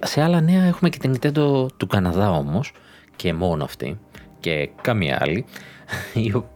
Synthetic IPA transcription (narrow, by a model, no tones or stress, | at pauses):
se̞ɐlɐne̞ɐe̞xumece̞̥t̪init̪e̞t̪ot̪ukɐnɐðɐo̞mos | ce̞mo̞noɐft̪ḭce̞kɐmḭɐ̰li | io